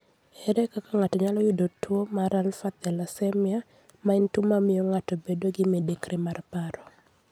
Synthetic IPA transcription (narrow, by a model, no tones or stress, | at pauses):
ɛɾɛkakaŋatɔɲalɔjʊdotwomaɾalfat̪ɛlasɛmɪa | maɛntumamɪjɔŋatɔbedoɡɪmedekɾɛmarpaɾɔ